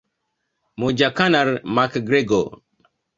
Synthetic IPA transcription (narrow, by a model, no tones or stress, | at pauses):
mod͡ʒakanaɾmakɡɾeɡo